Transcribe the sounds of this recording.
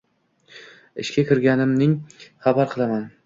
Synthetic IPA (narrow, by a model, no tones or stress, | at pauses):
ɪ̰ʃkʲakʲʰɪɾɡʲanɪmnɪŋχabaɾqʰɨlˠaman